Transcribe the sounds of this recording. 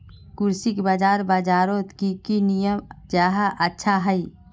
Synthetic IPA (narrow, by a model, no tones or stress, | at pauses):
kʊɾsɪkbaːd͡ʒaːɾbaːd͡ʒaːɾot̪kikinijəmd͡ʒaːɦaʔətːʃʰaɦəi